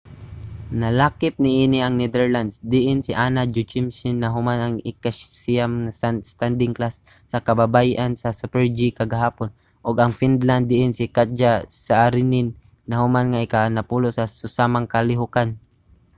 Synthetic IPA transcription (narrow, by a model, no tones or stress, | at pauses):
nɐlaːkɪp̚nɪʔiːnɪɐŋnɛd̪ɛɹland̪sd̪ɪʔɪnsɪʔanad͡ʒʊt͡ʃɪmsɪnːaɦʊmanaŋɪkasiamŋasst̪and̪ɪŋklasː | ɐkɐbabajʔansɐsupɛɹd͡ʒikaɡaɦaːpon | ʔoɡɐŋfind̪land̪ːɪʔɪnsɪkad͡ʒasaaɾɪnɪnː | ɐhʊmanŋaɪkanapulosasʊsamaŋkalɪɦʊkan